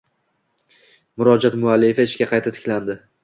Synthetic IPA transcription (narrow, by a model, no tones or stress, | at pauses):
mʊɾɒd͡ʒat̪mʊalːifaɪʃkʲaqʰɑjt̪ʰat̪ʰɪ̥kʲland̪ɪ